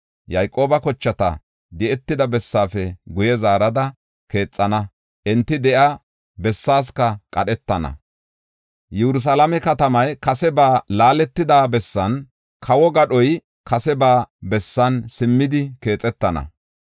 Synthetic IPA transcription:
jɐjkʼo̞ːbɐkɔt͡ʃːɐt̪ɐ̰ | d̪ɛʔɛt̪ːɪd̪ɐbɛsːaːfɛɡʊjɛzaːɾɐd̪ɐ | ke̞ːt͡sʼːɐnɐ | ʔɛnt̪ːɪd̪ɛʔɐ | bɛsːaːs̬kɐkʼɐɗɛt̪ːɐnɐ̰ | jɛɾʊs̬alɐmɛkɐt̪ɐmɐjkɐsɛbaːlaːlɛt̪ːɪd̪aːbɛsːɐn | kʰɐwɔɡɐɗɔj | kʰɐsɛbaːbɛsːɐnsɪmːɪd̪ɪke̞ːt͡sʼɛt̪ːɐnɐ̰

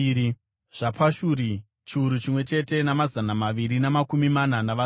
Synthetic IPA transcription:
ʐ̥apʰaʃuɾi | t͡ʃiuɾut͡ʃimwe̞t͡ʃe̞te̞namazanamaʋiɾinamakumimananaʋa

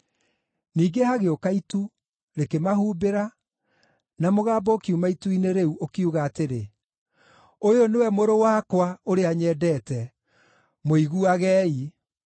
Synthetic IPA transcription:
niːɡehaɣeokaitu | ɾekemaɦuːbeɾa | namoɣaːbɔkiumaituineɾeuokeuɣaːteɾe | ojonewɛmoɾowaːkwaoɾeaɲɛdɛːtɛ | moiɣuaɣɛːi

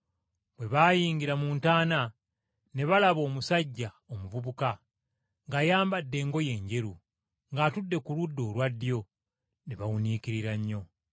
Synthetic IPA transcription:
bwe̞βaːjiːɲɡiɾamuːntaːna | ne̞βalaβo̞ːmusaɟːa | omuvuβuka | ŋɡajaːmbadːe̞ːŋɡo̞je̞ːɲɟe̞ɾu | ŋɡaːtudːe̞kuludːo̞ːlwadːjo̞ | neβawuniːkiɾiɾaɲːo̞

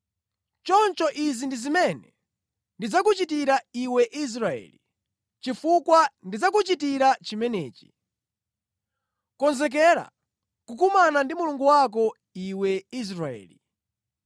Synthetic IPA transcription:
t͡ʃɔnt͡ʃɔʔizindizimɛnɛ | ndid͡zakut͡ʃitiɾaiwɛʔis̬ɾaɛ̰ːli | t͡ʃifukwandid͡zakut͡ʃitiɾat͡ʃimɛnɛ̰ːt͡ʃi̥ | kɔnzɛk̬ɛɾa̰ | kukumanandimuluŋɡuwak̬ɔ | iwɛis̬ɾaɛ̰ːli

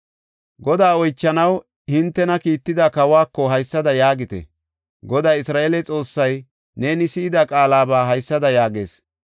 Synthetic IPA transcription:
ɡɔd̪aːɔjt͡ʃːɐnɐw | hɪnt̪ːɛnɐkiːt̪ːɪd̪ɐkɐwaːkːɔɦɐjsːɐd̪ɐjaːɡɪt̪ɛ̰ | ɡɔd̪aːjɪsɾaːʔeːlɛt͡sʼo̞ːsːɐj | ne̞ːnɪsɪɪd̪ɐkʼaːlaːbaːɦɐjsːɐd̪ɐjaːɡe̞̰ːs

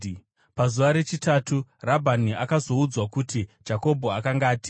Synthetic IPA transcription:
pazuʋaɾe̞t͡ʃitatʰurabʱaniʔakazo̞ud͡zwakutid͡ʒako̞bʱo̞akaŋɡaːti̥

